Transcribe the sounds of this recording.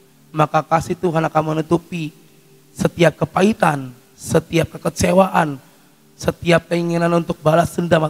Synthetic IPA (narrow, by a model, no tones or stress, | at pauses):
makakasit̪uɦanakamənut̪upi | sət̪iap̚kəpait̪an | sət̪iap̚kəkət͡ʃewaʔan | sət̪iap̚k̪əiŋinanunt̪ʊk̚balasəndama